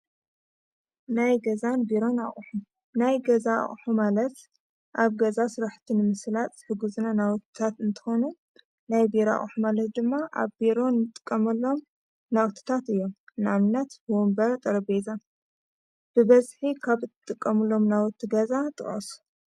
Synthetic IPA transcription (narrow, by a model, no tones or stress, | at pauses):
najɡɐzanbiɾo̞naχʼħu | najɡɐzaa̰χʼħumalɐt̪ | ʔaβɡɐzasɨɾaħt̪ʰinɨmɨslat̪ʼzħɨɡuzɨnanawt̪ʰɨ̥t̪ʰat̪ɨnt̪ʰɨ̥xo̞nu | najbiɾa̰χʼħumalɐt̪̚d̪ɨmːaʔa̰βbiɾo̞nːɨt̪ʼɨkʼːɐmɐlːo̞m | nawt̪ʰːɨ̥t̪ʰat̪ɨjːo̞mnamnɐt̪wɔmbɐɾt̪ʼɐɾɐbeza | b̥ɨβɐzħikʰaβɨt̪ʰɨt̪ʼɨkʼːɐmɨlːo̞mnawt̪ʰːiɡɐzat̪ʼɨ̰χʼɐ̰su̥